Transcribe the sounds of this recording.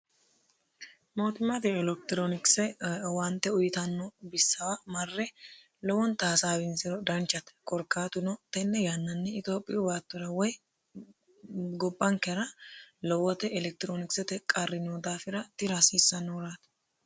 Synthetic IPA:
mo̞ːt̪ɪmːɐt̪ɪɛlɛk̚t̪ɪɾoːnɪksɛwɐnt̪ːɛʊjɪt̪ɐnːɔbɪsːɐwamɐrːɛ | lɔwɔnt̪aːsaːbɪnsɪɾɔd̪ɐnt͡ʃːɐt̪kɔɾkːaːt̪ʊnɔt̪ɛnːɛjanːɐnːɛɪt̪oːpʼːɪjʊbaːt̪ːɔɾɐwɔj | ɡɔbʼːɐŋkːɛɾɐlɔwːɔt̪ɛɛlɛk̚t̪ɪɾoːnɪksɛt̪ɛkʼɐrːɪnoːd̪aːfɪɾɐt̪ɪɾasiːsːɐnːɔɾat̪

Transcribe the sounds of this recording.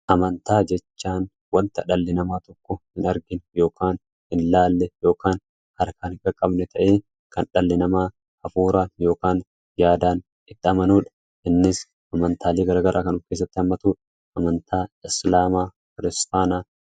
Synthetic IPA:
ʔɐmɐnt̪aːd͡ʒɛt͡ʃːaːn | wɐnt̪ɐᶑɐlːɪnɐmaːt̪ɔkːɔhɪnɐɾɡɪnjo̞ːkaːn | hɪnlaːlːɛjo̞ːkaːn | hɐɾkaːnɪkʼɐkʼːɐbnɛt̪ʰɐʔeː | kɐnᶑɐlːɪnɐmaː | ʔɐfuːɾaːnjo̞ːkaːn | jaːd̪aːn | ɪt̪ːɪɐmɐnuːᶑɐ̥ | ʔɪnːɪs | ʔɐmɐnt̪ʰaːleːɡɐɾaːɡɐɾʔaːkɐnʊfke̞ːs̬ːɐt̪ːɪhɐmːɐt̪uːᶑɐ | ʔɐmɐnt̪ʰaːɪslaːmaː | kɪɾɪst̪aːnaː

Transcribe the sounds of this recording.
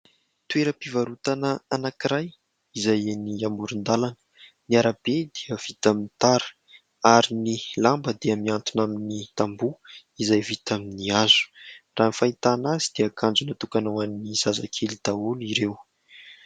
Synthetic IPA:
t̪ueɾəpivaɾut̪anəanakiɾaj | izajeniamuɾund̪alanə̥ | niaɾabed̪iəv̥it̪aminit̪aɾə̥ | aɾinilambəd̪eəmiant̪unaminit̪ambuizajvit̪aminiaz̥u̥raːnifait̪anazid̪̥eakʰand͡zunat̪ukanowaniniz̥aza̰kʰelid̪̥aoliɾew

